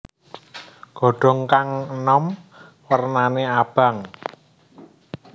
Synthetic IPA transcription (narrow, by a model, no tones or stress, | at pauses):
ɡ̥ɔ̤ɖ̥ɔ̤ŋkaŋənɔmwərnaneab̥a̤ŋ